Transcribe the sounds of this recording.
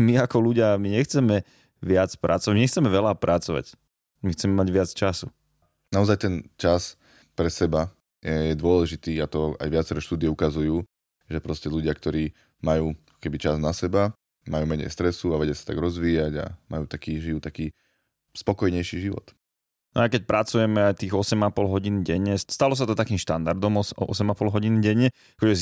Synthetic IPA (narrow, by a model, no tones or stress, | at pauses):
miakɔluɟɪamiɲɛxt͡sɛmɛ | ʋɪat͡spɾʔat͡sɔʋamiɲɛxt͡sɛmɛʋɛlapɾʔat͡sɔʋa̰c | mixt͡sɛmɛmaɟʋɪat͡st͡ʃasu | naɔzajt̪ɛnt͡ʃas | pɾɛsɛba | jɛjɛd̪ʊɔlɛʒit̪iːat̪ɔa̰jʋɪat͡sɛɾɛʃt̪uːd̪iɛukazujuː | ʒɛpɾɔscɛʎuɟɪakt̪ɔɾiː | majuːkɔ̥kɛbit͡ʃaznasɛba | majuːmɛɲɛ̰jst̪ɾɛsuaʋɛɟɪasat̪aɡɾɔzʋiːjaɟa̰ma̰juːt̪akiːʒijuːt̪akiː | spɔkɔjɲɛjʃiːʒiʋɔ̰t̪ | nɔ̰ajkɛc̚pɾʔat͡sujɛmɛajt̪iːɣɔsɛmapɔlɦɔɟiːnɟɛɲːɛst̪alɔs̬at̪ɔt̪akiːmʃt̪and̪aɾd̪ɔmɔsɛmapɔlɦɔɟiːnɟɛɲɛ | kɔd͡ʒɛ